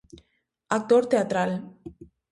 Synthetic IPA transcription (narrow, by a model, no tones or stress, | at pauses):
ak̚t̪oɾt̪eat̪ɾal